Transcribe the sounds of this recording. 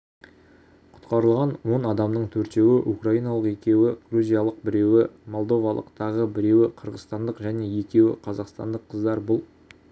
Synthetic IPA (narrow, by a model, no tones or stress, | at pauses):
qʰʊ̥t̪qɑɾəlˠʁɑnwo̞nɑd̪ɑmnəɴt̪ʰɵɾt̪e̞wɪʔukraijnɑlˠəqe̞kʲe̞wɪɡ̥ruzʲijalˠəq̚bɪɾe̞wɪmo̞lˠd̪o̞vɑlˠə̰qt̪ɑʁəbɪɾe̞wɪqʰəɾʁəzt̪ɑnd̪əqʒæne̞je̞kʲe̞wɪ̰qʰɑzɑqst̪ɑ̰nd̪əqʰːəzd̪ɑɾbʊlˠ